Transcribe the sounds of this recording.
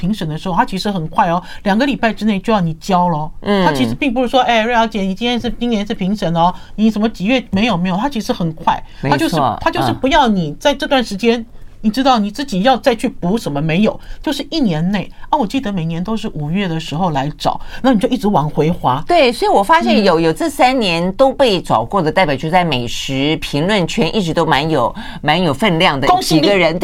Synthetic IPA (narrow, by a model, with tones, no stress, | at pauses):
pʰi˧˥ŋʂə˧˨˩ŋd̪ə˧ʂɻ̩˧˥xt̪ʰa˥t͡ɕʰi˧˥ʂɻ̩˧˥xə˨˩nkʰwa˥˩ɪɔ˩ljɑ˨˩ŋɡə˦li˨˩pa˥˩ɪʈ͡ʂɻ̩˥ne˥˩ɪt͡ɕjo˥˧ʊjɑ˥˩ni˨˩t͡ɕjɑ˥ʊlə˧˩t̪ʰa˥i˧˥ʂɻ̩˧˥pi˥˧ŋp̬u˧˥ʂɻ̩˥˩ʂwɔ˥ʔe˥˧˩ɻe˥˧jɑ˧˥t͡ɕjɛ˧˥ni˨˩t͡ɕi˥nt̪jɛ˥ʂɻ̩˥˩t͡ɕi˥ŋnjɛ˧˥nʂɻ̩˥˩pʰi˧˥ŋʂə˨˩n˧˦ni˧˥ʂə˨˩nmə˧˦t͡ɕi˨˩ɥɛ˥˩me˧˥ɪjo˨ʊme˧˥ɪjo˨˩t̪ʰa˥t͡ɕʰi˧˥ʂɻ̩˧˥xə˨˩nkʰwa˥˩ɪt̪ʰa˥t͡ɕjo˥˧ʊ˥˧t̪ʰa˥t͡ɕo˥˧ʂɻ̩˥˩pu˧˥jɑ˥˩ʊni˨˩t͡sa˥˧ɪʈ͡ʂɤ˥˧t̪wa˥˩nʂɻ̩˧˥t͡ɕjɛ˥nni˨˩ʈ͡ʂɻ̩˥t̪ɑ˥˩ʊni˨˩t͡sɹ̩˥˩t͡ɕi˨˩jɑ˥˧ʊt͡sa˥˧ɪt͡ɕʰy˥˩pu˧˥ʂə˨˧˩nmə˧me˧˥ɪjo˨˩˦ʊt͡ɕjo˥˧ʊʂɻ̩˥˧ʔi˥˩njɛ˧˥nne˥˩ɪa˥˩wɔ˨˩t͡ɕi˥˩d̪ə˦me˨˩ɪnjɛ˧˥nt̪o˥ʊʂɻ̩˥˩u˨˩ɥɛ˥˩d̪ə˩ʂɻ̩˧˥xo˥˧ʊla˧˥ɪʈ͡ʂɑ̰˨˩˦ʊna˥˩ni˨˩t͡ɕjo˥˧ʊi˥˩ʈ͡ʂɻ̩˧˥wɑ˧˥ŋxwe˧˥ɪxwa˥t̪we˥˩ɪswɔ˧˥i˧˥wɔ˨˩fa˥ɕjɛ˥˧njo˨˧˩ʊjo˨˩ʊt͡s̩˥˧sa˥nnjɛ˧˥nt̪o˥ʊpe˥˩ɪt͡sɑ˨˩ʊkwɔ˥˩d̪ə˩t̪a˥˩ɪpjt͡ɕʰt͡sa˥˩ɪme˨˩ɪʂɻ̩˧˥pʰi˧˥ŋlwə˥˧˩nt͡ɕʰɥɛ˧˥nʔi˥˩ʈ͡ʂɻ̩˧˥t̪o˥ʊma˧˥njo˨˩ʊ | ma˧˥njo˨˩ʊfə˥˧nljɑ˥˩ŋd̪ə˨ko˥ŋi˨˩˥ɡə˧ɻə˧˥n